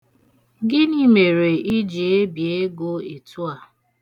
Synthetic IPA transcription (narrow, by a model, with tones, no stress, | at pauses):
ɡɪ˦ni˦me˨ɾe˨i˦d͡ʒe˨e˦bje˦ɡo˦e˨tu˦a˨